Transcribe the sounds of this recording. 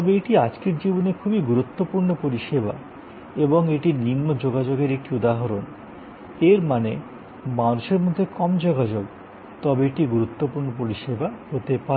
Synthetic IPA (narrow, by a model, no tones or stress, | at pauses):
t̪ɔbeeʈiad͡ʑkeɾd͡ʑiboneɾkʰubiɡuɾut̪ːopuɾnopoɾiʃeba̰ | eboŋeʈiɾninːod͡ʑoɡad͡ʑoɡeɾek̚ʈiud̪aɦaɾon | eɾmane | manuʃeɾmod̪ʱːekɔmd͡ʑoɡad͡ʑoɡ | t̪ɔbeeʈiɡuɾut̪ːopuɾnopoɾiʃebahot̪epaɾ